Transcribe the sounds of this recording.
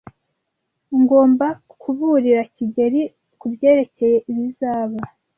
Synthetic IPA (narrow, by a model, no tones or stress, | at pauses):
ŋɡo̞ːmba | kʰuβuɾiɾaciɟeɾi | kubɟe̞ːɾe̞ce̞je̞ʔiβizaːβa